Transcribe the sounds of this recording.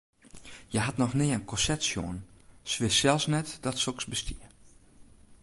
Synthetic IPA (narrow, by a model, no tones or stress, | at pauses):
jəɦatnɔxnɪːənkʰɔsɛtsjo̰ənsʋɪssɛlˠsnɛtdɔtsoksbəstʰiə